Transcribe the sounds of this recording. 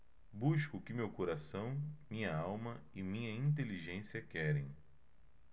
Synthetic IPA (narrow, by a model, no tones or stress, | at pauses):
buʃkʊkɪmewkoɾasɐ̃w̃mĩɲɐawmɐ | ɪmĩɲɐĩnt̪̬eliʒẽsiɐkɛɾẽj̃